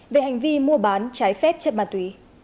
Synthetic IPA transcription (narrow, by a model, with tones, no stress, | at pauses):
ve˨˩ha˨˩jŋ̟vi˧mu˧əɓaː˨˦nt͡ɕaː˨˦jfɛ˦˥t̚t͡ɕə˧˩maː˨˩t̪wi˨˦